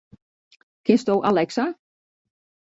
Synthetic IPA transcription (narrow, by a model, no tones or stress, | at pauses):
kʰɪnst̪owʔalɛksa